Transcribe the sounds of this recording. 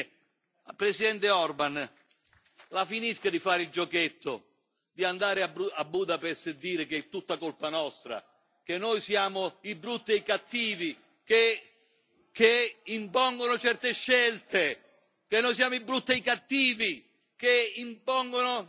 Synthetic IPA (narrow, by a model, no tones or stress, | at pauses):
apɾesid̪ɛnt̪ɪɔrban | lafiniskad̪ifaːɾɪild͡ʒɔket̪ʰːʊ | d̪iand̪aːɾɪabuabːuːd̪apɛsːɪd̪iːɾɪket̪ːut̪ːakolpanɔst̪ɾa̰ | k̟enːojsjaːmʊibːɾut̪ːeikat̪ːiːvi | ke | keimpɔŋɡonʊt͡ʃɛrt̪eʃːɛlt̪e | k̟enːojs̬jaːmoibːɾut̪ːeikat̪ːiːvi | keimpɔŋɡonʊ